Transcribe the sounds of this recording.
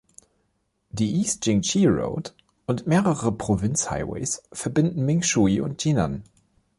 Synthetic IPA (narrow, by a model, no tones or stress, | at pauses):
d̥iːʔiːstd͡ʒ̥ɪŋt͡ʃiʁo̰ʊt | ʔʊntmeːʁəʁəpʁ̥ovɪnt͡ssha̰ɪwḛɪsfɛɐbɪndn̩mɪŋʃuiʔʊ̰nt̚ʒ̥inan